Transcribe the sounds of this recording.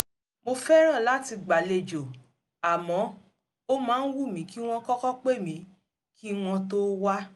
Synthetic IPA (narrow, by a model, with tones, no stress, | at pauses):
mo˧fɛ˦ɾ̃ã˦˨la˨˦ti˧ɡ͡ba˨le˨d͡ʒo˨ | a˨mɔ̃˨˦ | o˦mãː˨˦n̩˦wu˦˨mĩ˨˦ki˦w̃ɔ̃˦kɔ˦kɔ˦k͡pe˦˨mĩ˨˦ | kʰi˦w̃ɔ̃˧to˦wa˦